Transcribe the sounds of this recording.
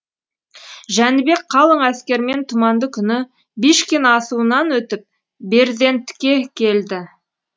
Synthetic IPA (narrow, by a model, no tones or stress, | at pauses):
ʒænɪbe̞kqʰɑlˠəɴæskʲe̞ɾme̞nt̪ʰʊmɑnd̪əkʲʰʏnɪ | biʃkʲenɑsuənɑnwɵt̪ɪp̚ | be̞ɾd̪e̞nt̪ɪ̥kʲːe̞kʲʰe̞ld̪ɪ